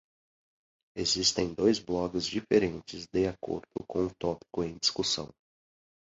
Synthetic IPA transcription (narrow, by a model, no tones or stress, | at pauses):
ezist̪ẽj̃d̪ojzblɔɡɪzd͡ʒifeɾẽnt͡ʃɪzd̪eako̰ɾd̪̥ʊkõw̃ʊt̪ɔpi̥kʊẽj̃d͡ʒiskusɐ̰̃w̃